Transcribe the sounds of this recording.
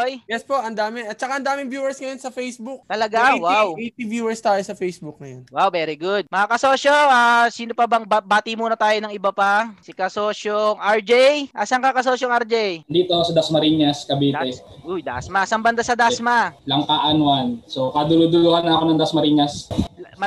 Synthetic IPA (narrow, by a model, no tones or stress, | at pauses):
ojjɛspo̞ʔɐnd̪aːmɪɐt͡ʃɐkaʔɐnd̪aːmɪŋbjuːwɛɹsŋɐjonsɐfejsbʊk̚t̪ɐlɐɡawawejt̪ivjuːɛɹst̪aːjosɐfejsbʊk̚nɐjonwawvɛːɾiɡʊd̪̚mɐŋakɐsoːʃoaːsiːnopɐbɐŋbabaːt̪imuːnɐt̪aːjonɐŋɪbapasɪkɐsoːʃoŋɐɹd͡ʒɛjʔɐsaŋkɐkɐsoːʃoŋɐɾd͡ʒɛjd̪iːt̪osɐd̪ɐsmɐɾiːɲɐskɐbiːt̪ɛʔʊjd̪a̰ʔsmɐsaŋbɐnd̪asɐd̪asmalɐŋkaʔɐnwansokɐd̪ʊlʊd̪ʊluhanakonɐŋd̪ɐsmɐɾiːɲɐs